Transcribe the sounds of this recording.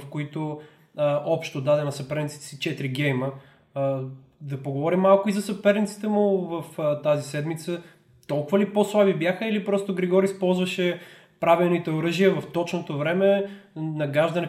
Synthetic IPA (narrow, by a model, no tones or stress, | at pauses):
fkoit̪o | ɔpʃt̪od̪ad̪ɛnɐsɐpɛɾnit̪si̥t̪ɛ̥sit͡ʃɛt̪ɾiɡɛjmə | d̪ɐpoɡovɔɾimːalˠkʊizɐsɐpɛɾnʲit̪si̥t̪ɛmʊvəft̪azisɛd̪mit̪sə | t̪ɔlˠkʊvəliposlˠabibjaxəilipɾɔst̪ʊɡɾɛɡɔɾispɔlˠzvɐʃɛ | pɾavilˠnit̪ɛʊɾɤʒijəvɐft̪ɔt͡ʃnot̪ovɾɛmɛnɐɡaʒd̪ɐnɛ